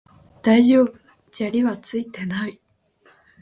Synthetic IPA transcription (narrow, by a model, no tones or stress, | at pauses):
d̪̥aiʑo̞ːbɯ | t͡ɕaɾʲiβat͡sɨit̪e̞nai